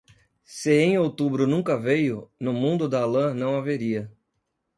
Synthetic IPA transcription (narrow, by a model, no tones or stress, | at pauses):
sɪẽj̃owt̪ubɾʊnũŋkɐvejʊnʊmũnd̪ʊd̪aalɐ̃nɐ̃w̃aveɾiɐ